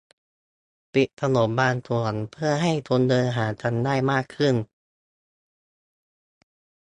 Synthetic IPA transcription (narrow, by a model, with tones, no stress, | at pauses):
p̪i˨˩t̚t̪ʰa˧no˩˦mbaː˧nt̪ʰu˨˩˦npʰɯ˥˩ɐɦa˥˩jt̪ʰu˧ndɤː˧nɦaː˩˦t͡ɕʰa˧˥ndaː˥˩jmaː˥˩kʰːɯ˥˩n